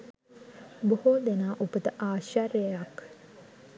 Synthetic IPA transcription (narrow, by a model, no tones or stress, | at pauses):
bohod̪enaːʔupət̪əʔaːʃaɾjjəjak